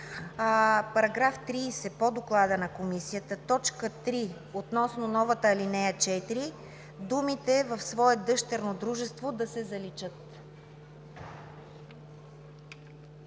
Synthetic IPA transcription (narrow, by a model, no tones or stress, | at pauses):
pɐɾɐɡɾaft̪ɾiːsɛpod̪oklˠad̪ənɐkomisijət̪ət̪ɔt͡ʃkət̪ɾi | ot̪nɔsnonɔvət̪əːlinɛjət͡ʃɛt̪iɾi | d̪umit̪ɛvəfsvɔɛd̪ɤʃt̪ɛɾnod̪ɾuʒɛst̪vod̪ɐsɛzɐlit͡ʃɤt̪